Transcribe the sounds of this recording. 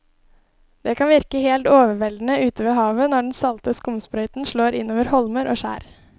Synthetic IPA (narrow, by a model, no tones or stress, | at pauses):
d̪̥eːkɑnʋɪɾkəheːlt̪oːʋəɾʋɛld̪n̩əʔʉːt̪əʋeːɦɑːʋənɔɖn̩sɑlt̪əskʊmspɾœʏt̪n̩ʂɭoːɾʔɪnoːʋəɾhɔlməɾʔo̰ːʃæ̰ːɾ